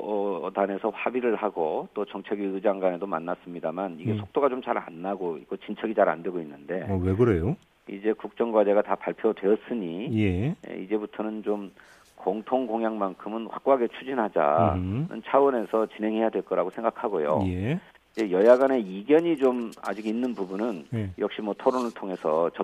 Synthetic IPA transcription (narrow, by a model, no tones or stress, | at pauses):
ʌtane̞sʰʌɸabiɾɯɭhaɡot͈ot͡ɕʌŋt͡ɕʰeɡiɯd͡ʑaŋɡane̞domanːas͈ɯmɲidamaniɡe̞sʰok̚t͈oɡat͡ɕomt͡ɕaɾa̰nːaɡoik͈ot͡ɕint͡ɕʰʌɡit͡ɕaɾa̰nde̞ɡoinːɯnde̞weɡɯɾe̞jo | ḭd͡ʑe̞kuk̚t͡ɕ͈ʌŋɡwadeɡatapaɭpʰjodwe̞ʌs͈ɯɲijḛḭd͡ʑe̞butʰonɯnt͡ɕom | koŋtʰoŋɡoŋjaŋmankʰɯmɯnɸwa̰k̚k͈oɦaɡe̞t͡ɕʰud͡ʑinɦad͡ʑa̰nɯ̰nt͡ɕʰawʌne̞sʰʌt͡ɕinɦe̞ŋɦe̞jadwe̞ɭk͈ʌɾaɡosʰe̞ŋɡakʰaɡojo̰je | id͡ʑe̞jʌjaɡane̞iɡjʌɲid͡ʑoma̰d͡ʑiɡinːɯnpubunɯnjʌk̚ɕ͈imwʌtʰoɾonɯɭtʰoŋe̞sʰʌt͡ɕʌ